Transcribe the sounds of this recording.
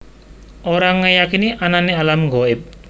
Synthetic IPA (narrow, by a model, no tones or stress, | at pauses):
ʔoɾaŋːəjakiniʔananialamɡoɪp̚